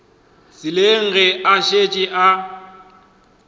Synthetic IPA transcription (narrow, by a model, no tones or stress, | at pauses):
sɪleŋ̩ɣɛaʃet͡ʃʼɪʔa